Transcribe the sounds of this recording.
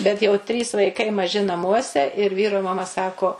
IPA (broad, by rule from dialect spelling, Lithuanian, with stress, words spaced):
bʲɛt jɛʊ ˈtʲrʲiːs ʋɐɪˈkɐɪ mɐˈʒʲɪ nɐˈmuɔsʲɛ ɪr ˈʋʲiːroː mɐˈmɐ ˈsɑːkoː